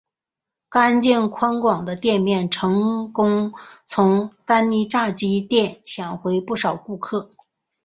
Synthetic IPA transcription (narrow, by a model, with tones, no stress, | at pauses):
ka˥nt͡ɕjɛ˥˩nkʰwa˥nkwɑ˨˩ŋd̪ə˦t̪jɛ˥˧nmjɛ˥˩nʈ͡ʂʰɤ˧˥ŋkʊ˥ŋt͡sʰʊ˧˥ŋt̪a˥nni˧˥ʈ͡ʂa˥˩t͡ɕi˥t̪jɛ˥˩nt͡ɕʰjɛ˨˩nxwe˧˥ɪpu˥˩ʂɑ˨˩ʊku˥˧kʰɤ˥˩